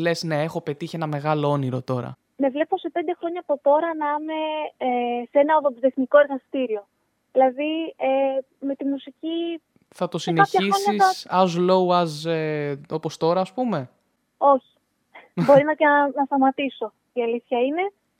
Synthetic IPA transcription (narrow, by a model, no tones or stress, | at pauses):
le̞zne̞exo̞pe̞t̪içienɐme̞ɣɐloo̞niɾo̞t̪o̞ɾɐ̰ | me̞vle̞po̞sepe̞nd̪e̞xɾo̞ɲɐːpo̞t̪o̞ɾɐnɐme̞esenɐoðopizeθniko̞eɾɣɐst̪iɾio̞ | ðilɐðie | me̞t̪imusici | θɐt̪o̞sinekɐççɐiɾoɲɐisɐɐzlo̞uɐzeo̞po̞st̪o̞ɾɐːspume̞ | o̞çi̥ | bo̞ɾinɐtnɐst̪ɐmɐt̪iso̞ | iɐliθçɐine̞